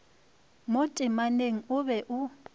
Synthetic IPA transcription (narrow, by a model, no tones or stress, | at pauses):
motʼɪmaneŋ̩ʊβɛʔʊ